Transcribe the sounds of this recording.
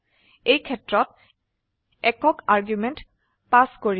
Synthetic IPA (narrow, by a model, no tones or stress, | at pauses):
ejkʰɛtːɹɔt̚ | ɛkɔkaɹɡjumenʈ | paskoɹi